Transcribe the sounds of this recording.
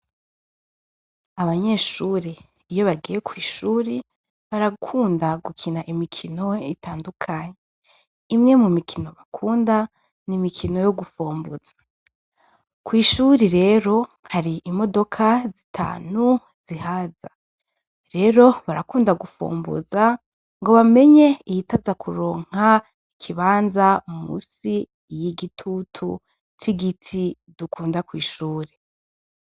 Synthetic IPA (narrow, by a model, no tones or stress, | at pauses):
aβaɲe̞ːʃuːɾe | ijo̞βaɡije̞kʰwiːʃuːɾi | βaɾakʰuːndaɡukʰinaʔimikʰino̞itʰaːndukʰaɲe | imŋe̞mumikʰino̞βakʰuːnda | nimikʰino̞jo̞ɡufuːmbuz̥ḁ | kwiːʃuɾiɾe̞ɾo̞haɾiimo̞do̞kʰazitʰa̰ːn̥u | z̥ihaza | ɾe̞ɾo̞βaɾakuːndaɡufṵːmbṵza | ŋɡo̞βame̞ɲe̞ijitazakʰuɾo̞ːŋ̥a | ikʰiβaːnzaumṵsi | jiɡitʰutʰu | tʰiɡitʰi | dukʰuːndakwiːʃuːɾe